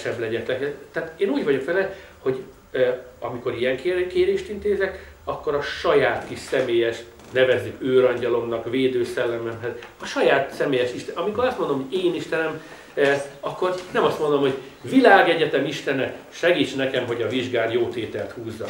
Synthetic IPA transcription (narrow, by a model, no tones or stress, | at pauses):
ʃɛblɛɟɛt̪ɛkt̪ːɛaːt̪eːnuːɟʋɒɟo̞kʋɛlɛ | ho̞ɟ | ɒ̰miko̞ɾijɛŋkekeːɾeːʃt̪int̪eːzɛk | ɒkːo̞ɾɒʃɒjaːt̪kiʃsɛmeːjɛʃ | nɛvɛzːikøːɾɒɲɟɒlo̞mnɒkʋeːd̪øːsɛlːɛmɛmɦɛzɒʃɒjaːt̪sɛmeːjɛʃiʃt̪ɛɒmiko̞ɾɒst̪mond̪omhoɟeːniʃt̪ɛnɛm | ɒkːo̞rnɛmɒst̪mond̪omho̞ɟ | vilaːɡɛɟɛt̪ɛmiʃt̪ɛnɛʃɛɡiːt͡ʃnɛkɛmɦo̞ɟɒviʒɡaːnjoːt̪eːt̪ɛlt̪huːzːɒ̰